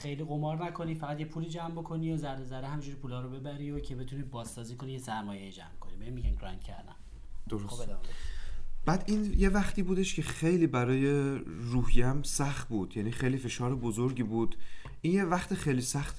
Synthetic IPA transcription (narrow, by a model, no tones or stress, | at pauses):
χejliːɣomɒːɾnækʰo̞niːfæʁæd̪jepʰuːliːd͡ʒæmbo̞kʰo̞niozæɾd̪ezæɾehæmid͡ʒuːɾipuːlɒːɾobe̞bæɾiocʰe̞be̞t̪ʰuniːbɒːsːɒːziːkʰo̞nijesæɾmɒːjejid͡ʒæ̰mkʰonibeimːiɟæmkʰɾæŋcʰæ̰ɾd̪æ̰m | d̪̥oɾos | b̥æːd̪iːnje̞væχt̪ʰiːbuːd̪eʃcʰe̞xe̞jliːbæɾɒːje̞ɾuːhijæmsæxt̪̚buːd̪̥jæniːxe̞jliːfe̞ʃɒːɾebozoɾɟiːbuːd̪ | ʔiːnjevæxt̪ʰexejliːsæxt̪